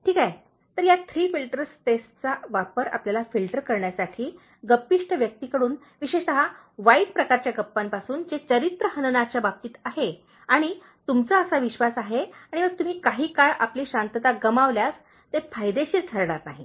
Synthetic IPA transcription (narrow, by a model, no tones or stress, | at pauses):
ʈʰiːkaj | t̪əɾjat̪ʰɾiːfilʈəɾsʈesʈt͡saʋapəɾa̰pljalafilʈəɾkəɾɳjasaʈʰiː | ɡəpːiʂʈəʋjək̚t̪ikəɽuːn | ʋiɕeʂt̪əɦa | ʋaiʈ̚pɾəkaɾt͡ɕjaɡəpːampasuːnd͡zet͡səɾit̪ɾəhənənat͡ɕjabab̚t̪iːt̪aɦe | aɽ̃i | t̪umt͡saəsaʋiɕʋasaɦeaɽ̃iʋəɡ̚t̪um̤iːkaɦiːkaɭʔapliːɕant̪ət̪aɡəmaʋljas | t̪efajd̪eɕiːɾt̪ʰəɾɳaɾnaɦi